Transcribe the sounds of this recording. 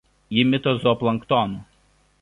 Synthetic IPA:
jɪmʲɪt̪ɔzɔplˠɐŋkt̪ɔnu

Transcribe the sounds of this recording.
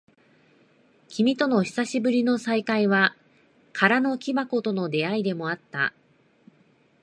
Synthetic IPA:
kʲimʲit̪o̞no̞çi̥saɕibɯ̟ɾʲino̞saikaiβa | kʰaɾano̞kʲibako̞t̪o̞no̞d̪e̞aid̪e̞mo̞at̪ːa̰

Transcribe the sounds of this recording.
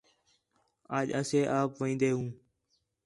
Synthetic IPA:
aːʄəseːʔaːpʋĩːnd̪eːɦũː

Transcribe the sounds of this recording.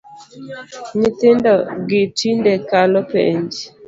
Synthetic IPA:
ɲit̪ɪndɔɡɪtindɛkalɔpḛɲd͡ʒ

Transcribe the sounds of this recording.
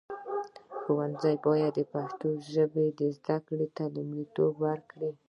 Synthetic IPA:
xowanzajbɑjad̪ːəpaxt̪oʒəbed̪əzd̪akɽet̪alumlit̪obwaɾkɽi

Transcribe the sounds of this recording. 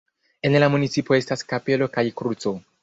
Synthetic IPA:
e̞nlamunit͡sipo̞e̞staskape̞lo̞kajkɾut͡so̞

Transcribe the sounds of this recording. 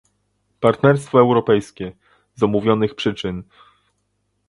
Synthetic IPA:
paɾt̪nɛɾst̪fɔɛwɾɔpɛjskʲɛ | zɔmuvʲjɔnɘxpʂɘt͡ʂɘn

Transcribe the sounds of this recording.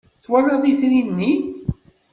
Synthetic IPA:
θwælɑðˤiθɾinːi

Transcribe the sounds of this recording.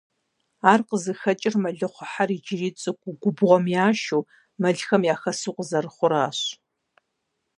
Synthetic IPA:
aːrqəzɨxɐt͡ʃʼɪrmɐɮɨχʷʊħarid͡ʒɪriːt͡sʼɨkʷʼʊɡʷʊbʁʷɔmjaːʃuː | mɐɮxɐmjaːxɐsɨːqəzɐrɨχʷʊɾaːɕ

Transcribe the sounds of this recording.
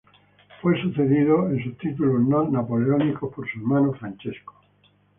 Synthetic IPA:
fwejsuθeðiðoens̬ut̪it̪ulunonapoleonikopoɾsuemanofɾant͡ʃesko̥

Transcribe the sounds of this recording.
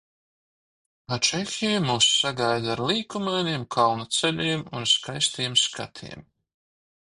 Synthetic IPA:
at͡ʃexʲijumuːsːaɡajd̪aɾlˠiːkumajnʲiɛmkʰalnat̪sɛlʲiɛmunskajst̪iɛmska̰t̪ʰḭɛm

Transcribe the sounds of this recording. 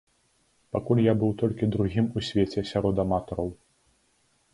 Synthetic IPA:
pakulʲjabɨwt̪ɔlʲkʲid̪ɾuɣʲimusʲvʲet͡sʲɛsʲaɾɔd̪ɐmat̪ɔɾɐw

